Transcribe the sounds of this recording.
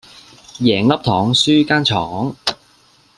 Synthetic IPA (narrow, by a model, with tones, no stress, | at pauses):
jɛː˨˩ŋlɐ˥p̚t̪ʰɔː˨˥ŋsyː˥kaː˥nt͡ʃʰɔː˨˦ŋ